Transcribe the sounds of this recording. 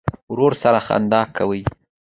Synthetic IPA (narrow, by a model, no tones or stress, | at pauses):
wɾoɾsaɾaxa̰nd̪ɑkʰawəj